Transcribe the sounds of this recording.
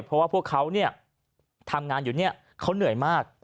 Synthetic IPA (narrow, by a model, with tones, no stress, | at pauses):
jpʰɔ˦˥waː˥˩pʰu˥˩əkʰːa˦˥wni˥˩ɐ | t̪ʰa˧mŋaː˧njuː˨˩ni˥˩ɐ | kʰːa˦˥wnɯ˩˦əjmaː˥˩k̚